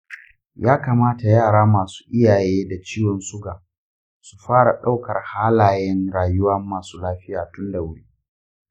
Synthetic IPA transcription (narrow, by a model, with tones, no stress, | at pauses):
jaː˦ka˨maː˦ta˨jaː˦˨ɽaː˦maː˨su̥ː˦ʔɪ˦jaː˨jeː˦da˨t͡ʃiː˦wɔ˨nsʊ˦ɡaː˨ | su˨ɸaː˦ɽa̰˨ɗa˦wkɐ˨rhaː˦laː˨jɛ˦nɽaː˨jʊ˦wɐ˦mːaː˨suː˦laː˦ɸɪ˦jaː˨tʊ˦nda˨wʊ˦ɽiː˦